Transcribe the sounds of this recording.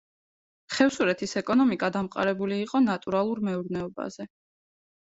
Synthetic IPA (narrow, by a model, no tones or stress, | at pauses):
χɛfsuɾɛt̪ʰisɛkʼɔnɔmikʼad̪amqʼa̰ɾɛbuliːqʼɔnat̪ʼuɾalˠuɾmɛuɾnɛɔba̰zɛ